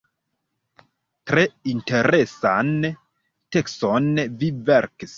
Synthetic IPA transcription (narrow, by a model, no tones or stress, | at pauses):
tɾe̞inte̞ɾesan | tekstonviveɾkis